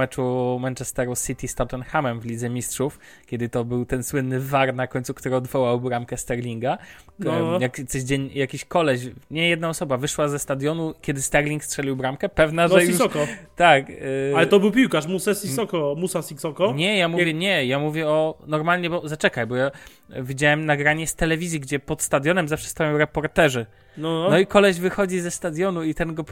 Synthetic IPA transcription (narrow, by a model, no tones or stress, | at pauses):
ɛt͡ʂumɛnt͡ʂɛst̪ɛɾusit̪ʲist̪ɔt̪ɛnxamɛmvlʲid̪zɛmʲistʂuf | kʲɛd̪ɘt̪ɔbɘwt̪ɛnswɘnːɘvaɾnakɔɲt̪sukt̪uɾɔd̪vɔwawbɾamkɛst̪ɛɾlʲiŋɡa | jakt̪sɔʑd͡ʑeɲjakʲiɕkɔlɛɕɲɛjɛd̪̚naɔsɔbavɘʂwazɛst̪ad̪jɔnukʲjɛd̪ɘst̪ɛɾlʲiŋkstʂɛlʲiwbɾamkɛpɛvnaʐɛjiusɔkɔt̪akalɛt̪ɔbɘwpʲiwkaʂmusɛsvisɔkɔmusasiksɔkɔɲɛjamuvjɛɲɛjamuvʲjɛɔnɔɾmalɲɛbɔzat͡ʂɛkajbɔja | vʲid͡ʑawɛmnaɡɾaɲɛst̪ɛlɛvʲizjiɡd͡ʑɛpɔt̪st̪ad̪jɔnɛmzafʂɛ̥st̪ajɔ̃w̃ɾɛpɔɾt̪ɛʐɘ | nɔnɔikɔlɛʑvɘxɔd͡ʑizɛst̪ad̪ʲjɔnuit̪ɛnɡɔ